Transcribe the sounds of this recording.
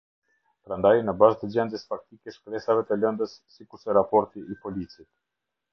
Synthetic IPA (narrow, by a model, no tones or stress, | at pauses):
pɾand̪ajnəbaʒt̪əd͡ʑɛnd̪jəsfak̚t̪ikɛʃkɾɛsavɛt̪ələnd̪əsːikuɾsɛɾapɔɾt̪iːpɔlit͡sit̪̚